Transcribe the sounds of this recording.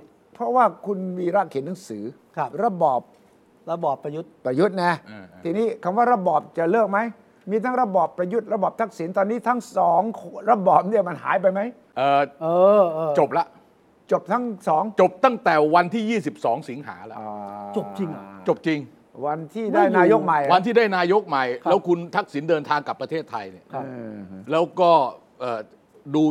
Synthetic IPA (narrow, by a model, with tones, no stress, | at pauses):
pʰɾɔ˦˥waː˥˩kʰu˧nmiː˧ɾa˦˥˩kʰːi˨˩˦nːa˩˦ŋsɯː˩˦kʰɾa˧bɔː˨˩p̚ | ɾa˧bɔː˨˩pːa˧ju˦˥t̪̚ːɾa˧ju˦˥t̪̚nɛ˦˧˩t̪ʰiː˧niː˦˥kʰa˧˦mwaː˥˩ɾa˧bɔː˨˩p̚t͡ɕa˨˩lɯ˥˩k̚ma˦˥j | miː˧t̪ʰa˦˥ŋɾa˧bɔː˨˩pːɾa˧ju˦˥t̪̚ɾa˧bɔː˨˩p̚t̪ʰk̚si˨˩˦nt̪ɔː˧nːiː˦˥t̪ʰa˦˥ŋsɔː˩˦ŋkʰɾa˧bɔː˨˩p̚ni˥˩əma˧nha̰ː˩˦jp̬a˧jma˦˥j | ʔɤː˨˩ʔɤː˧t͡ɕo˨˩p̚la˦˥ʔ | t͡ɕo˨˩p̚t̪ʰa˦˥ŋsɔː˩˦ŋt͡ɕo˨˩p̚t̪a˥˩ŋt̪ɛː˨˩wa˧nt̪ʰiː˥˩jiː˥˩si˨˩p̚sɔː˩˦ŋsi˩˦ŋɦa̰ː˩˦la̰˦˩ʔɔ˨˩t͡ɕo˨˩p̚t͡ɕi˧ŋt͡ɕo˨˩p̚t͡ɕi˧ŋ | wa˧nt̪ʰiː˥˩daː˥˩jnaː˧jo˦˥k̚ma˨˩jwa˧nt̪ʰiː˥˩daː˥˩jnaː˧jo˦˥k̚ma˨˩jɛː˦˥wkʰu˧nt̪ʰa˦˥k̚si˩˦ndɤː˧nt̪ʰaː˧ŋka˨˩pːɾa˧t̪ʰeː˥˩t̪ʰːa˧jni˥˩˧lɛː˦˥wkɔː˥˩ | ʔɤː˨˩ | duː˧